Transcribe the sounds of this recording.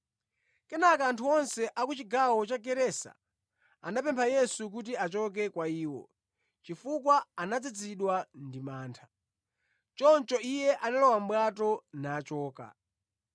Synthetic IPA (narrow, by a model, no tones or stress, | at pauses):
kɛnakaːntʰuɔnsɛʔakut͡ʃiɡawɔt͡ʃaɡɛɾɛsa̰ | andapɛmpʰajɛsuk̬ut̬iat͡ʃɔk̬ɛkwaiːwɔ̰ | t͡ʃifukwaanad͡zid͡ziɗwandimaːntʰḁ | t͡ʃɔnt͡ʃɔijɛʔanalɔwam̩ɓwatɔnaːt͡ʃɔːka̰